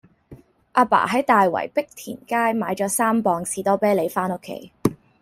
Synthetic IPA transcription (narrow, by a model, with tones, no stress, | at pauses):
ʔaː˧pa̰ː˨˩ɦɐ˨˥jt̪aː˨jwɐ̰˨˩jpɪ˥k̚t̪ʰḭː˨˩nkaː˥jmaː˨˧jt͡ʃɔː˨˥saː˥mpɔː˧ŋsiː˨˥t̪ɔː˥pɛː˥le˨˧jfaː˥no˥kʰːḛ˥˩j